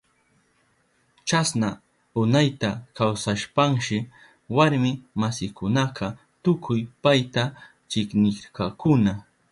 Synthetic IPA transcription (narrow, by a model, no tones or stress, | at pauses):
t͡ʃasna | ʊnajt̪akawsaʃpaŋʃɪ | waɾmɪmasɪkʊnɑqɑ | t̪ʊkʰʊjpajt̪a | t͡ʃɪknɪkɑkʊna